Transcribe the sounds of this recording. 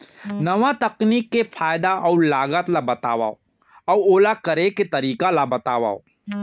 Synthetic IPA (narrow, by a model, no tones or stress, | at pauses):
nɐʋat̪ɐkniːkːefʰaːjd̪aʔɐulaːɡət̪labɐt̪aːʋa̰ːo | ɐwoːlakəɾeket̪ɐɾiːkalabɐt̪aːʋa̰ːo